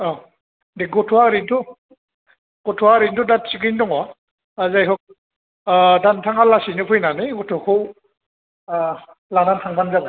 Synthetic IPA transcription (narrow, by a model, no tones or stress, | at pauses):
ɔ | deɡɔtʰuaɾintʰu | ɡ̥ɔtʰuaɾindudat̚sikɯndɔŋwa | azajɦɔk̚ | dantʰaŋalasinɯpʰɯjnanɯɡɔtʰɔkʰɯw | lanantʰaŋbanzabɯ